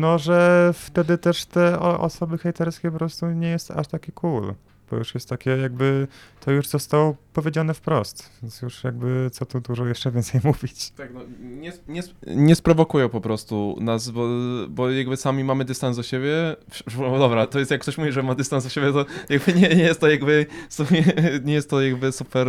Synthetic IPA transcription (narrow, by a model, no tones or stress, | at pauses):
nɔʐɛft̪ɛd̪ɘt̪ɛʂt̪ɛɔ̰ʔɔ̰sɔbɘxɛjt̪ɛɾskʲɛpɔpɾɔst̪uɲɛjɛst̪a̰ʂt̪akʲikul | b̥ɔ̰juʂjɛst̪ːakʲɛjaɡ̚bɘt̪ʰɔjuʐzɔst̪awɔpɔvʲjed͡ʑanɛfpɾɔst̪vʲɛnsjuʂjaɡ̚bɘt̪sɔt̪ud̪uʐɔjɛʂt͡ʂɛvʲjɛnt̪sɛjmuvʲit͡ɕt̪ak̚nɔɲɛsɲɛsɲɛspɾɔvɔkujɛpɔpɾɔst̪unasbɔbɔjaɡbɘsamʲimamɘd̪ɘst̪anzd̪ɔɕebʲjɛ | d̪ɔbɾat̪ɔjɛst̪jakːt̪ɔɕmuvʲiʐɛmad̪ɘst̪ansuɕebʲjɛt̪ɔjaɡbɘɲɛɲɛjɛst̪ːɔjaɡbɘsɔmʲiɲɛjɛst̪ːɔjaɡbɘsupɛɾ